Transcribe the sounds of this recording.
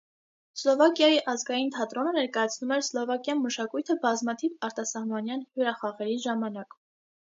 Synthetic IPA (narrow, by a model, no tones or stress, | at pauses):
slɔvɑkjɑjiʔɑzɡɑjint̪ʰɑt̪ɾɔnənɛɾkɑjɑt͡sʰnumɛɾslɔvɑkjɑnməʃɑkujt̪ʰəbɑzmɑt̪ʰivɑɾt̪ɑsɑhmɑnjɑnhjuɾɑχɑʁɛɾiʒɑmɑnɑk